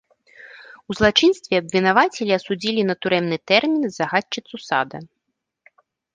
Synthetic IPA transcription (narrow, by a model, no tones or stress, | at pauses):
uzlˠat͡ʂɨnst̪vʲɛɐbvʲinavat͡sʲɛlʲiɐsud͡zʲilʲinɐt̪uɾɛmnɨt̪ɛrmʲinzaɣat͡ʂːɨt̪susa̰d̪ɐ